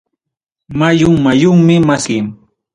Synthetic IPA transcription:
majʊŋmajʊŋmɪmaskɪŋ

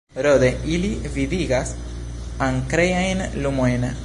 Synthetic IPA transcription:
ɾod̪eilivid̪iɡas | aŋkɾejajnlumoen

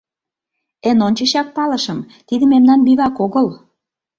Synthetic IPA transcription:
enont͡ɕə̆ɕɑk̚pɑlɤ̆ʃə̆m | t̪id̪ə̆memnɑnbiβɑkoɣɤ̆l

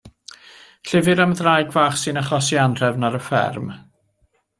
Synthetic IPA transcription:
ɬɪvɨɾamðrajɡvaːχsɨnaχɔsianr̥ɛvnaɾəfɛ̰rm

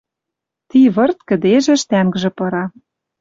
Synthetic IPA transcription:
t̪iβɤ̆rt̪̚kɘ̆d̪eʒĕʃt̪æŋɡʒĕpɤ̆ɾɑ

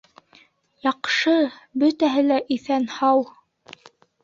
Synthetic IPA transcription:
jɑqʃɤbɵt̪æɦɘlæʔiθænhɑw

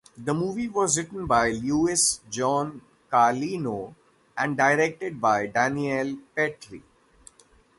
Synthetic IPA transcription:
d̪əmuːʋiʋɔːzɾɪʈən̩baɪljuːɪsd͡ʒɔ̃ːn | kaːliːnoː | ʔɛ̃ɳɖɖaɪɾek̚ʈɪɖ̚baɪɖæ̃nielpɛʈɾḭ

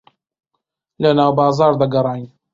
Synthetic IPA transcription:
lɐnaːwbɑːzɑːɾd̪ɐɡɐɾˤɑːjn

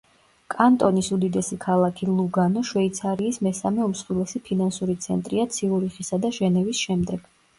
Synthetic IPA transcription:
kʼant̪ʼɔnisud̪id̪ɛsikʰalˠakʰilˠuɡanɔʃwɛit̪sʰaɾiːsmɛsamɛusχwilˠɛsipʰinansuɾit̪sʰɛ̰nt̪ʼɾiat̪sʰiuɾiχisad̪aʒɛnɛvisʃɛmd̪ɛɡ̥

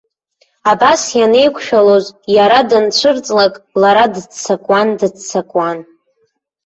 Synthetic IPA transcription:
abasjane̞jkʷʰʃᶣalozjaɾadɨnt͡ʃʷʰɨrt͡sʼlakʼlaɾadt͡sʰakʷʼwandɨt͡sʰakʼwan

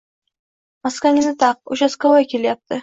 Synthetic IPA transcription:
maskʲaŋɪzɪt̪ʰɑq̚ʊʃaskovajkʲʰe̞ljap̚t̪ʰɪ

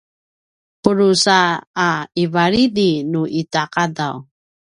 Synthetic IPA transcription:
pəɾusaː | ivaɾidinuʔitakadaw

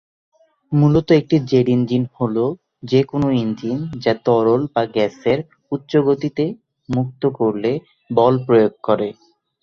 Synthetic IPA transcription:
mulot̪oek̚ʈid͡ʑeɽind͡ʑinholo | d͡ʑekonoind͡ʑind͡ʑat̪ɔɾolbaɡɛseɾ | utːɕoɡot̪it̪e | muk̚t̪okoɾle | bɔlpɾojoɡ̚kɔɾe

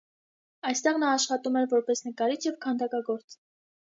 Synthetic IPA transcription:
ɑjst̪ɛʁn̪ɑːʃχɑt̪umɛɾvɔɾpɛsnəkɑɾit͡sʰjɛvkʰɑnd̪ɑkɑɡɔɾt͡s

